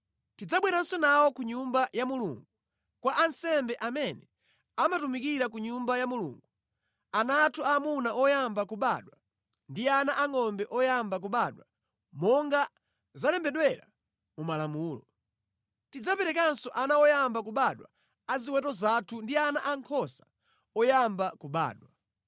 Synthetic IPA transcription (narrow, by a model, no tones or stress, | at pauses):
tid͡zaɓwɛɾansɔnawɔkuɲumbajamulṵŋɡu | kwaʔansɛmbɛʔamɛnɛ | amatumikiɾak̬uɲumbajamulṵŋɡu | anaːtʰuaːmunaʔɔjambakuɓaɗwa | ndianaʔaŋɔmbɛʔɔjambak̬uɓaɗwa | mɔŋɡa | zalɛmbɛɗwɛɾa̰ | mumalamuːlɔ | tid͡zapɛɾɛkansɔʔanawɔjambakuɓaɗwa̰ | aziwɛtɔzatʰundianaʔaŋkʰɔsḁ | ɔjambakuɓa̰ːɗwa